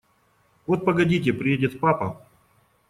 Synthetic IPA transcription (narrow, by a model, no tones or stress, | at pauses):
vot̪̚pɐɡɐdʲit̬ʲɪpɾʲɪjedʲɪt̪fpapɐ